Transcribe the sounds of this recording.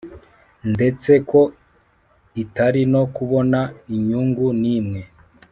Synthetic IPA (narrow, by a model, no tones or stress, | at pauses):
nde̞t͡se̞kʰo̞ | itaɾino̞kuβo̞naiɲuːŋɡuniːmŋe̞